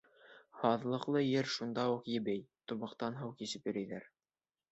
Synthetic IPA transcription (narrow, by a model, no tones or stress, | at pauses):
hɑðlˠɤ̆qlˠɤjɘɾʃund̪ɑuqjɘ̆bɘjt̪ŭmɑ̆qt̪ɑnɦɤwkjisɘpjɘ̆ɾæjðæɾ